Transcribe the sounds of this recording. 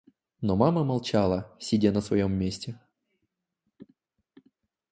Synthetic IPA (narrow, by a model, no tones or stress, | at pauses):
nomaməmɐlˠt͡ɕalˠəsʲɪdʲanəsvɐ̰jomːʲesʲtʲɪ